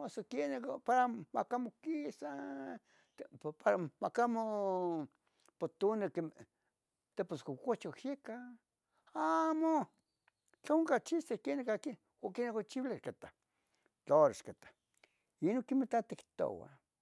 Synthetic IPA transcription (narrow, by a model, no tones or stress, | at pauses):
osokenekpaɾamakamokisa | paɾamakamo | pot̪unekem | t̪eposkokot͡ʃohjeka | amo | t͡ɬaoŋkat͡ʃisekenekaki | okenekot͡ʃiwlekat̪a | t͡ɬoɾaʃkat̪ḁ | inokimit̪at̪ikt̪o̰wa̰